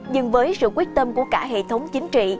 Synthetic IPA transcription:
zɨ˨˩ŋvəː˨˦jsɨ̰˧˨kwək̚t̪ə˧mku˧˩əkaː˧˩ɦḛ˧˨t̪ʰə˨˦wŋ͡mt͡ɕï˨˦ŋ̟t͡ɕḭ˧˨

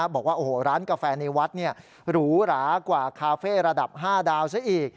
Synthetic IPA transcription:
bɔː˨˩k̚waː˥˩ʔoː˨˩ɾaː˦˥nka˧fɛː˧na˧wa˦˥t̪̚ni˥˩ɐ | ɾuː˦˥ɾaː˩˦kwaː˨˩kʰaː˧feː˥˩ɾa˧da˨˩p̚ɦaː˥˩daː˧wsa˦˥ʔiː˨˩k̚

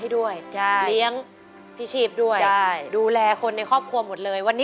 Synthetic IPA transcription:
a˥˩jdu˥˩əjt͡ɕʰa˥˩li˦˥əŋ | pʰi˦˥t͡ɕʰiː˥˩p̚du˥˩əja˥˩jduː˧lɛː˧kʰo˧nːa˧jkʰɔː˥˩p̚kʰu˧ɐmo˨˩t̪̚lɤː˧jwa˧nːiː˦

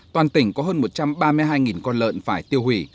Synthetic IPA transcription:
t̪waː˨˩nt̪ï˧˩ŋ̟kɔ˨˦ɦəː˧nmo˨˩t̚t͡ɕa˧mɓaː˧mɨ˧jɦaː˧jŋi˨˩nkɔ˧nlə̰ː˧˨nfaː˧˩jt̪i˧əwhwi˧˩

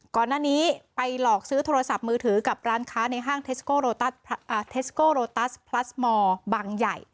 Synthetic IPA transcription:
kɔː˨˩nːaː˥˩niː˦˥pa˧jlɔː˨˩k̚sɯː˦˥t̪ʰoː˧a˧sa˨˩p̚mɯː˧t̪ʰɯː˩˦ka˨˩p̚ɾaː˦˥nkʰaː˦˥na˧jɦaː˥˩ŋt̪ʰe˦˥skoː˥˩ɾoː˧t̪a˦˥˩sʔːt̪ʰe˦˥skoː˥˩ɾoː˧t̪aː˦˥˩spʰla˦˥smɔː˧baː˧ŋja̰˨˩j

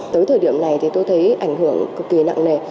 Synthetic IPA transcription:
t̪əː˨˦jt̪ʰəː˨˩ɗi˧˩əmna˨˩jt̪ʰi˨˩t̪o˧jt̪ʰə˨˦jʔa˧˩jŋ̟ɦɨ˧˩əŋkɨ˨˩k̚ki˨˩na̰ː˧˨ŋne˨˩

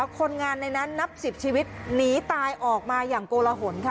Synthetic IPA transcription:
kʰo˧nŋaː˧nːa˧jna˦˥nːa˦˥p̚si˨˩p̚t͡ɕʰiː˧wi˦˥t̪̚niː˦˥t̪aː˧jʔɔː˨˩k̚maː˧jaː˨˩ŋkoː˧la˧ɦo˩˦nkʰa˦˩

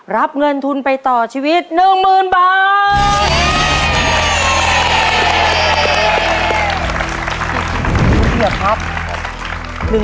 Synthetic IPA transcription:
ɾa˦˥p̚ŋɤ˧nt̪ʰu˧npa˧jt̪ɔː˨˩t͡ɕʰiː˧wi˦˥t̪̚nɯ˨˩ŋmɯː˨˩nbaː˨t̪̚ | ki˧˩a˦˥p̚ | nɯ˨˩

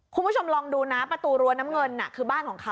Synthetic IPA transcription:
kʰu˧nbu˥˩o˧mɾɔː˧ŋduː˧naː˦˥mpɾa˧t̪uː˧ɾu˧ɐnaː˦˥mŋɤ˧nːa̰˨˩kʰɯː˧baː˥˩nkʰɔː˩˦ŋkʰa˦˥

